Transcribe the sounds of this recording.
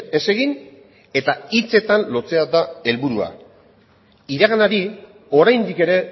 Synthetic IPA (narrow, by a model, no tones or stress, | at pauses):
e̞se̞ɣin | e̞t̪ait͡se̞t̪anlo̞t͡se̞ad̪ae̞lβuɾua̰ | iɾaɣanaɾi | o̞ɾajnd̪ike̞ɾe̞